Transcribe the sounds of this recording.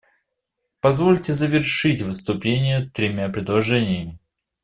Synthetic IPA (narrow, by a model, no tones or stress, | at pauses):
pɐzvolʲtʲɪzəvʲɪrʂɨtʲvɨst̪ʊplʲenʲɪjət̪ɾʲɪmʲapɾʲɪd̪lˠɐʐɛnʲɪjəmʲɪ